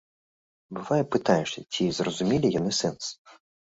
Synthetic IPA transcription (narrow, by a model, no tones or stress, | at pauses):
bɨvajɛpɨt̪ajɛʂɐt͡sʲizrɔzumʲilʲijanɨsɛns